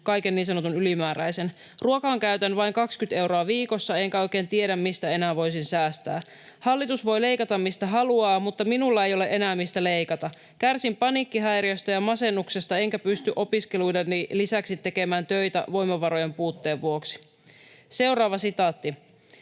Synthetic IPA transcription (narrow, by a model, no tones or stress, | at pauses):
kɑjkenːiːnsɑno̞t̪unylimæːɾæjsen | ruokɑŋkæyɥt̪ænʋɑiŋkɑkskyt̪e̞wɾo̞ɑʋiːko̞sːɑe̞ŋkæo̞jke̞ːnt̪ieɾæmːist̪æe̞næːʋo̞jsinsæːst̪æ̰ː | hɑlːit̪usʋo̞jle̞jkɑt̪ɑmːist̪æɦɑluɑːmut̪ːɑminulːɑe̞jo̞le̞ʔe̞næːmːist̪æle̞jkɑt̪ɑ | kærsimpɑnikːiɦæjriost̪ɑjɑmɑse̞nːuksest̪ɑeŋkæpyst̪yʔo̞piskelujdenːilisæksit̪ːe̞ke̞mæːnt̪ø̞jt̪æ̰ʋo̞jmɑʋɑɾo̞je̞mpuːt̪ːe̞ːʋːuo̞ksi̥ | se̞wrɑːʋɑsit̪ɑːt̪ːi